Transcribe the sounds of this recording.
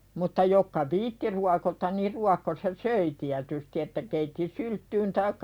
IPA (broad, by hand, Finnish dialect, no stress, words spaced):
mutːɑ jokːɑ ʋiːtːi ruɑkotɑn niːr ruɑkːos jɑ søi tiætysti etːæ keitːi syltːyːn tɑikːɑ